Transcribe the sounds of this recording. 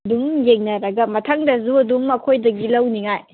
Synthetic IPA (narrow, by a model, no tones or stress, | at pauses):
duŋjeŋnɐɾɐɡɐmɐtʰaŋdɐzuɐduŋɐkʰojdɐɡilɐwniŋaj